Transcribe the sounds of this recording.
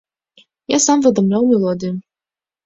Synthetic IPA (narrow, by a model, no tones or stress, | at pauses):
jasamvɨd̪ɔmlʲawmʲɛlˠɔd̪ʲɨju